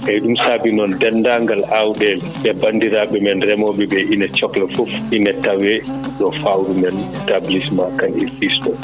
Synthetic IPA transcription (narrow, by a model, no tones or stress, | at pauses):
ʔɛɗumsabinɔndɛnːdaŋɡalawɗɛl | ɓɛbandiɾaɓɛmɛnrɛmɔɓɛbɛʔinɛt͡ʃɔklɛfufinɛtawɛɗɔfawɾumɛntablismakanifistɔ